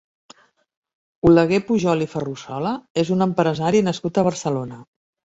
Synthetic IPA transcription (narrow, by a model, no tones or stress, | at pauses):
uləɣepuʒɔlifərusɔləezunəmpɾəzaɾinəskut̪əβ̞ərsəlonə